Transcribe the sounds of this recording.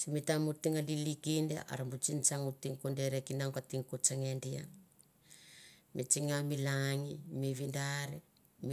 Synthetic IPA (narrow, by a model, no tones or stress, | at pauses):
t͡ʃimitamutiŋalilikindḛʔa̰ɾambut͡ʃint͡ʃaŋutiŋkondeɾekinaŋkatiŋkot͡ʃaŋendia̰ | mʔit͡ʃiŋamilaŋimiβindaɾe | m